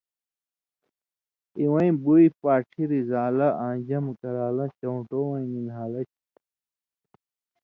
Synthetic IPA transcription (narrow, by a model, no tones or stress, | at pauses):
iwɐ̃ĩbuipaːʈʰiɾizaːlaʔãːɲd͡ʑɐmkɐɾaːlɐt͡ɕɐuʈowɐ̃ĩninɦaːlɐt͡ɕʰ